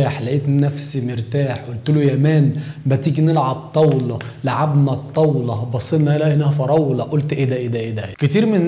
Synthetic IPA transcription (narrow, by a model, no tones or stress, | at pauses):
aːħlæʔiːt̪nːæfsimeɾt̪aːħʔolt̪ulojæmæːnbæt̪iːɡnelʕab̚t̪ˤɑwlɑ | laʕabnæt̪ˤːɑwlɑbɑsˤːelnæʔelæhenæhæfɑɾˤɑwlɑʔolt̪ʔed̪æʔed̪æʔeːd̪æket̪iːɾme